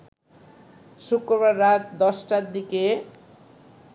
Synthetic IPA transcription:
sukrʌbarːat̪̚d̪ʌsʈad̪ike

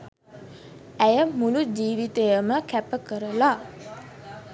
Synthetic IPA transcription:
æjəmulud͡ʒiːʋit̪ejəməkæpəkəɾəla

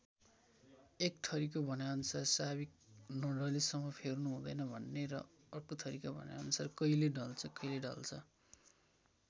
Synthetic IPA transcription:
ekʈʰʌɾik̬obʱʌnaʌnsarsaβik̚nʌɽʌlisʌmːʌpʰernuɦũd̪ʌjnʌbʱʌnːeɾʌ̰ | ʌrkot̪ʰʌɾikabʱʌ̰nja̰ʌnsarkʌileɖʌlt͡sʰʌkʌɦileɖʌ̰lt͡sʰʌ

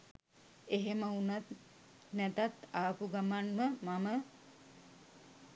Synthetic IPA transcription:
eɦeməunat̪ | nɛt̪at̪aːpuɡamanməmamə

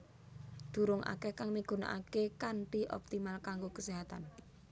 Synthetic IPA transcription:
d̪̥ṳɾʊŋʔa̰kɛhkaŋmiɡ̥ṳna̰ʔa̰kekanʈiʔɔ̰p̚t̪imalkaŋɡokəseɦat̪an

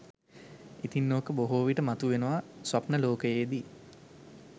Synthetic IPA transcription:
it̪inːoːkəboɦoːʋiʈəmat̪uʋenəʋasʋapnəloːkəjeːd̪i

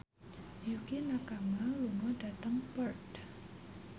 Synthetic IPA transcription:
jukinakamaluŋɔɖat̪əŋpərd

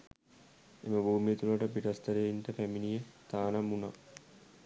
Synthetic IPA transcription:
ḛməbʱuːmijət̪ulaʈəpiʈɐst̪əɾeinʈəpæminijət̪aːnamuna̰

